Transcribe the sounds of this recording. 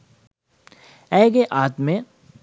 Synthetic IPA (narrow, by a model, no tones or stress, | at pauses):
ɛːɡeʔaːt̪mẽ